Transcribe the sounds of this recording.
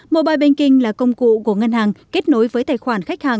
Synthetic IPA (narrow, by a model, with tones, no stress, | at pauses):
mo̰˧˨ɓaː˨˩jɓe˧nkï˧ŋ̟laː˨˩kə˧wŋ͡mkṵ˧˨ku˧˩əŋə˧nhaː˨˩ŋke˦˥t̚no˨˦jvəː˨˦jt̪ʰaː˨˩jxwaː˧˩nxa˦˥k̟̚haː˨˩ŋ